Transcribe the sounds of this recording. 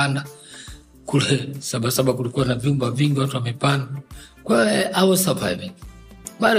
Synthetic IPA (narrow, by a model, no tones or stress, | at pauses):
anda | kulɛsaɓasaɓakulikuwanavjumbaviŋɡiwatuwamɛpanda | kwaɛawɔsava̰iviŋɓaɗɔ